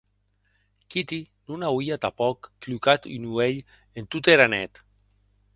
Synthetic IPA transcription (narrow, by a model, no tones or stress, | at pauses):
kit̪inunawiat̪apɔkːlukat̪inueʎ | ent̪ut̪eɾanɛt̪